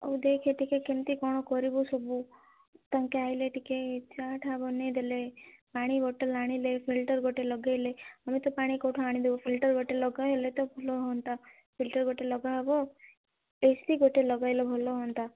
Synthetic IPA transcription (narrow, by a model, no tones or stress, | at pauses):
ɔ̰ud̪ekʰeʈikekent̪ikɔɽ̃ɔkɔɾibusɔbu | t̪aŋkeajleʈiket͡ʃaʈʰabɔned̪elepaːɽ̃iɡɔʈelaɽ̃ilepʰilʈəɾɡoʈelɔɡajleamit̪ɔpaːɽ̃ikɔʈʰoaɽ̃id̪ebɔpʰilʈəɾɡʱɔʈelɔɡaelet̪ɔbʱɔlɔɦɔnt̪a | pʰilʈəɾɡoʈelɔɡabɔ | est̪iɡoʈelɔɡajlebʱɔlɔɦɔnt̪a